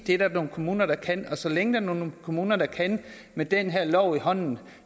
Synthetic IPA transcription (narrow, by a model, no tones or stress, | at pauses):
d̥e̝d̥æno̝ːnkʰo̝muːnɐd̥ɑ̈kʰænɒ̽sɒ̽leŋəd̥æno̝ːnkʰo̝muːnɐd̥ɑ̈kʰæn | med̥enɦeɐ̰lɒʊ̰ihɒ̽n̰n̩